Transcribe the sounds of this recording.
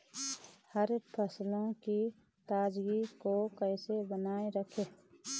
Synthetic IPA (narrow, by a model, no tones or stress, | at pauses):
həɾpʰəslõki | t̪aːd͡ʒɡikokəɪsebənaːeɾəkʰeː